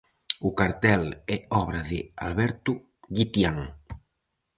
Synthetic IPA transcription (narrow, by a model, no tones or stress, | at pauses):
ʊkaɾt̪ɛlɛɔβ̞ɾaðɪa̰lβɛɾt̪u | ɣit̪jaŋ